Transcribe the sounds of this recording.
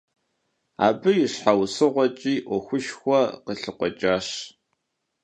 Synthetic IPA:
a̰ːbɨjɪɕħawsɨʁʷɔt͡ʃʼiːʔʷɔxʷʊʃxʷɔqəɬɨqʷɔt͡ʃʼaːɕ

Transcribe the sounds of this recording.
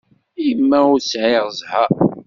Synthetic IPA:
ijəmːæʊɾsʕɪʁəzha

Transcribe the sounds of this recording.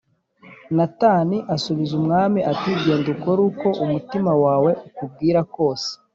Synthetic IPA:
nataniʔasuβizumŋaːmiʔatiːɟeːnduko̞ɾuːko̞ʔumutimawaːwe̞ʔukub̚ɡiːɾako̞ːse̥

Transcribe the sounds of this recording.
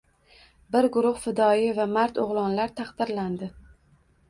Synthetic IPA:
bɪɾɡʊɾʊhfɪd̪ɒjɪvamaɾt̪oʁlˠɒnlaɾt̪ʰɑχd̪ɪɾland̪ɪ

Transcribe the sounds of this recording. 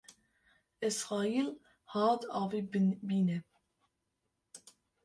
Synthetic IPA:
ɪsʁɑːiːl | hɑːd̪ɑːvibiːnɛ

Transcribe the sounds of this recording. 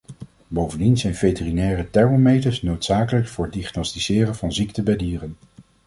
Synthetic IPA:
bowvəndinzɛjnvejtərinɛːrətɛɹmomejtəɹsnowtsaːkələkfʊːɹədiχnɔstizɪːrəvɑnziktəbɛjdiːrən

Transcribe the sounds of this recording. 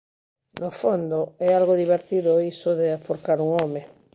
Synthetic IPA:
nofond̪oɛalɣoðiβ̞eɾt̪iðoisoðeapoɾkaɾuŋome

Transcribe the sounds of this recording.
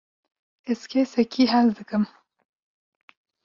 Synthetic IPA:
ɛzkʰesɛkiːɦɛzd̪ɨkɨm

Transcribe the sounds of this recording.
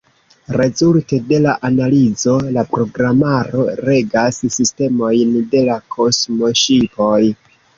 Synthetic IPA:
ɾe̞zulte̞de̞laʔanalizo̞lapɾo̞ɡɾamaɾo̞ɾe̞ɡassiste̞mo̞jnde̞lakʰo̞smo̞ʃipo̞j

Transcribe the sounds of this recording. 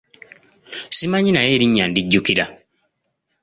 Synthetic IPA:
simaɲinajeːɾiɲːandiɟːukiɾa

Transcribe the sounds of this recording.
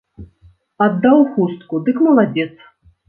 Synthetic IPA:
ad̪ːawxust̪̚kud̪ɨkmɐlˠad͡zʲɛt̪s

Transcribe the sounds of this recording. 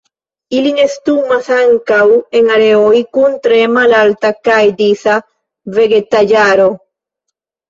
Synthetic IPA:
ilinest̪umaθaŋkaweŋaɾeojkunt̪ɾemalalt̪akajd̪iθa | veɡet̪aʝaɾo

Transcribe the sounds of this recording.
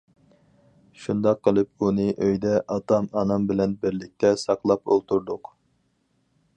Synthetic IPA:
ʃund̪ɑqʰːəlˠɨp̚unɨʔøjd̪ɛʔɑt̪ʰɑmɑnɑmbɪlɛnbɪɾlɪk̚ʲt̪ʰɛsɑqlˠɑpo̰lˠt̪ʰuɾd̪ʊq

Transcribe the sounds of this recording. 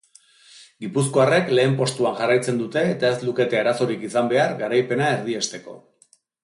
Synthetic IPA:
ɡipus̬ko̞are̞kle̞ːmpo̞st̪uaŋʝarajt͡se̞nd̪ut̪e̞ːt̪ae̞zluke̞t̪e̞aɾaso̞ɾikisambe̞aɾɡaɾajpe̞nae̞ɾð̞ie̞st̪e̞ko̞̰

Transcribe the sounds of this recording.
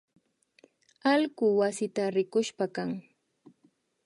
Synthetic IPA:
alɢʊwasɪt̪aɾɪkʊʃpakaŋ

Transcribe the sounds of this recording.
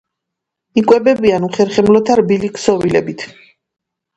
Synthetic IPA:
ikʼwɛbɛbianuχɛɾχɛmlɔt̪ʰaɾbiliksɔvilɛbit̪ʰ

